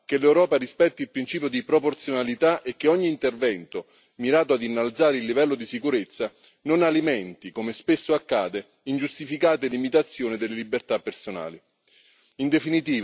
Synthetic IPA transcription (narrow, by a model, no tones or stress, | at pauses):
k̟elewɾɔːpaɾispɛt̪ːilpɾint͡ʃiːp̬jod̪ipɾoport̪sjonalit̪aʔekːeɔɲːiːnt̪ervɛnt̪o | miɾaːt̪oad̪inːalt̪saːɾeilːivɛlːod̪isikuɾet̪sːa | nonalimɛnt̪ikomespesːoakːaːd̪e | ind͡ʒust̪ifikaːt̪elimit̪at̪sːjoːnid̪elːelibert̪apːersona̰ːli | ind̪efinit̪iːv